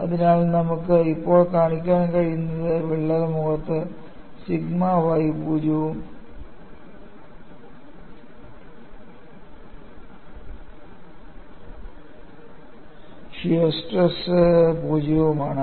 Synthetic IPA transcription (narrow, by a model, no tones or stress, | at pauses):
ɐðinaːlnɐmukːɨipːo̞ːɭkaːɳikʲːaːnkɐɻijunːɐðɨʋiɭːɐðɐmuɣɐt̪ːɨ | siɡmaʋajipuːd͡ʑɐʋum | ʂiɐsʈɐspuːd͡ʑɐʋɐmaːɳɨ